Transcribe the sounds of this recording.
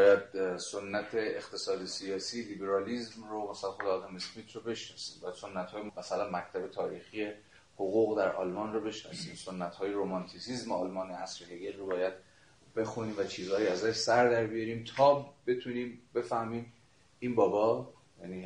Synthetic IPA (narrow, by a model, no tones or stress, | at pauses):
bɒːjæd̪sonːæt̪ʰeext̪ʰe̞sɒːd̪esiɒːsiːliːbe̞ɾɒːliːzmromæsælænxod̪eɒːd̪ɒmesmiːt̪ʰɾobe̞ʃnɒːsi̥ːmbɒːjæd̪so̞nːæt̪hɒːjemæsælænmæct̪ʰæbe̞t̪ʰɒːɾiːxije̞ | hoɣuːɣd̪æɾʔɒ̰ːlmɒːnrobe̞ʃnɒ̰siːmso̞nːæt̪hɒːjeɾomɒnt̪ʰisiːzmeɒːlmɒːneæsɾeheɡelrobɒːjæd̪̥̚ | b̥e̞xuniːmvæt͡ʃʰiːzhɒːjiæzæʃsæɾd̪æɾbijɒɾiːmt̪ʰɒːbe̞t̪ʰuniːmbe̞fæhmiːm | inbɒːbɒː | jæniː